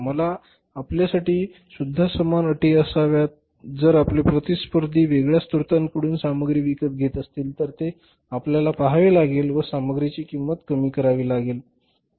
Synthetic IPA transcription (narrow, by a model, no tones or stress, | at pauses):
məlaː | pljasaʈiː | sud̪ʱːasəmanəʈiːəsaʋjat̪̚ | d͡zəɾaplepɾət̪ispəɾd̪ʱiːʋeɡɭjast̪uɾt̪aŋkəɽuːnsaməɡɾiːʋikət̪̚ɡʱet̪əst̪iːlt̪əɾt̪e | apljalapaɦaʋiːlaɡelʋəsaməɡɾit͡ɕiːkimːət̪kəmiːkəɾaʋiːlaɡel